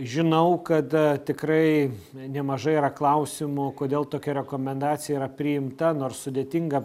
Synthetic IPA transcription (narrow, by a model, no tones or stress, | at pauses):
ʒʲɪnɐʊkɐt̪t̪ʲɪkɾɐɪ | nʲɛmɐʒɐɪiɾɐklˠɐʊsʲɪmʊkoːd̪ʲeːlˠt̪oːkʲɛɾʲɛkoːmʲɛnd̪ɑːt̪sʲɪjɛiɾɐpʲɾʲɪjɪmt̪ɐnoːrssʊd̪ʲeːt̪ʲɪŋɡɐ